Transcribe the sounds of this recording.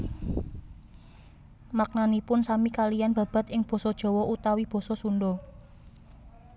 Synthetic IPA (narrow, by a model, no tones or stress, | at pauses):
mak̚nanipʊnsamikalijanb̥ä̤b̥a̤t̪ɪŋb̥ɔ̤sɔd̥ʒ̥ɔ̤wɔʔut̪awib̥ɔ̤sɔsunɖɔ